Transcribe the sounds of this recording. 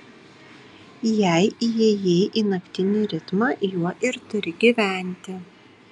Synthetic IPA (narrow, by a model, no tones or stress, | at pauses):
jɛˑɪijɛjeːʔinɐkʲt̪ʲɪnʲɪɾʲɪt̪mɐjuɔʔɪɾt̪ʊɾʲɪɡʲiʋʲæˑnʲt̪ʲɪ